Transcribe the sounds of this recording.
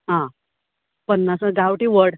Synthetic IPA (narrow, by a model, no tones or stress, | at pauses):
ɦã | pənːasəɡawʈiːʋəɽ